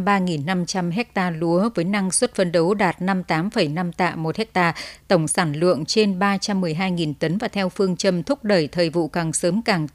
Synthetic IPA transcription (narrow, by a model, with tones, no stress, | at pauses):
ɓaː˧ŋi˨˩nːa˧mt͡ɕa˧mɦɛ˦˥k̚t̪aː˧lu˨˦əvəː˨˦jna˧ŋswə˦˥t̚fə˧nɗə˨˦wɗaː˨˩t̚na˧mt̪aː˨˦mfə˧˩jna˧mt̪a̰ː˧˨mo˨˩t̚hɛ˦˥k̚t̪aː˧t̪ə˧˩wŋ͡msaː˧˩nlɨ̰˧˨əŋt͡ɕe˧nɓaː˧t͡ɕa˧mːɨ˨˩əjɦaː˧jŋi˨˩nt̪ə˨˦nvaː˨˩t̪ʰɛ˧wfɨ˧əŋt͡ɕə˧mt̪ʰʊ˦˥k͡p̚ɗəː˧˩jt̪ʰəː˨˩jvṵ˧˨kaː˨˩ŋsəː˨˦mkaː˨˩ŋ